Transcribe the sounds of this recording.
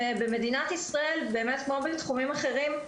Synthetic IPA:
ebeme̞dinat̪isʁae̞lbeːme̞tkmobet̪χumimaχe̞ʁim

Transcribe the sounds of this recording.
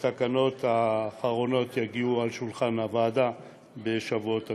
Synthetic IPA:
t̪akano̞t̪aːχaʁo̞no̞t̪jaɡiualʃulχanhavaːd̪a | be̞ʃavuot̪a

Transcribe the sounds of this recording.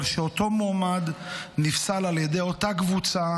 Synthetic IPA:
lʃeo̞to̞moːmadnifsalaljedejo̞takvut͡sa

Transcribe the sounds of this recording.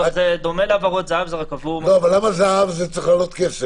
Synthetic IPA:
zed̪o̞meleavaʁot̪zeavzeʁakavuloavalːamazeavzet͡sʁiχlalot̪keʃe

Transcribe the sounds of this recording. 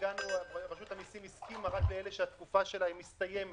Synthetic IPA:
ɡanuaʁaʃut̪amisimiskimaʁakleeleʃeat̪kufaʃe̞laimist̪aje̞m

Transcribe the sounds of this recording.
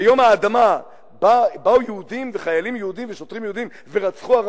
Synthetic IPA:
jo̞maːd̪ama | babaujeud̪imveχajalimjeud̪imveʃot̪ʁimjɛud̪im | ve̞ʁat͡sχuaʁ

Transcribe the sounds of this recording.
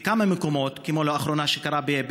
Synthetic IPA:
kamameko̞mo̞tkemoloaχɾo̞naʃekaɾabeb

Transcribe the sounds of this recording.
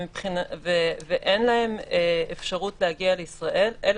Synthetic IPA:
mipχinaveveʔenlahe̞meefʃaʁutlehaɡialeisʁaʔe̞lel

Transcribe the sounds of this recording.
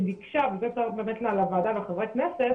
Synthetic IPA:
dikʃavzɛt̪abe̞ːmetlealavaːd̪aveχavʁeknɛse

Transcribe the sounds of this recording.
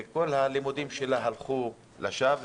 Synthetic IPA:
ko̞lhalimud̪imʃe̞laɦalχu | laʃav

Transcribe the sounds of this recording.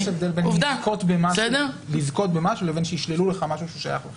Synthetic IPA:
ʃevd̪e̞lbenuvd̪ako̞t̪bemaʃsd̪elizko̞t̪̚bemaʃulevenʃejiʃleluleχamaʃuʃuʃaja̰χlo

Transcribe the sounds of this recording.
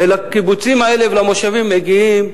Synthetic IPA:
elakibut͡simae̞levelamoʃavimːeɡiim

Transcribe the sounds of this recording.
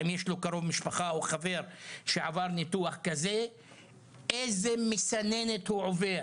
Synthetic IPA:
imjeʃlokaɾo̞vmiʃpaχaoχave̞ɾʃeʕavaʁnit̪uaχkaze | ejzemesanenet̪huʕove

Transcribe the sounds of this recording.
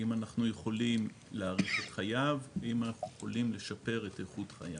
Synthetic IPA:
imanaχnuje̞χo̞lim | leaʁit͡setχajavimanaχnujeχo̞limle̞ʃape̞ʁe̞teχutχa̰ja

